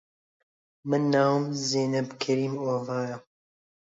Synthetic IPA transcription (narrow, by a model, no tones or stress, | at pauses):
mɨnːaːwmzeːnɛbkʰɛɾiːmoːvaːja